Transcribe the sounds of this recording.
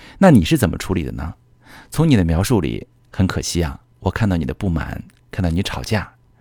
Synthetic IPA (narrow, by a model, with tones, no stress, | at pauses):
na˥˩ni˨˩ʂɻ̩˥˩t͡sə˨˩nmə̰˦ʈ͡ʂʰu˧˥lḭ˨˩d̪ə̰˦nə˧ | t͡sʰʊ˧˥ŋni˨˩d̪ə˦mjɑ˧˥ʊʂu˥˩lḭ˨˩˦ | xə˧˥nkʰɤ˨˩ɕi˥a̰˩ | wɔ˨˩kʰa˥˧nt̪ɑ˥˩ʊni˨˩ə˦pu˥˩ma̰˨˩˦nkʰa˥˧t̪ɑ˥˩ʊni˧ʈ͡ʂʰɑ˨˩ʊt͡ɕja˥˩